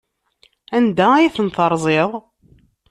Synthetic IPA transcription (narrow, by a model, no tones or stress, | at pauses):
ænd̪æjiθənθəɾˤzˤeðˤ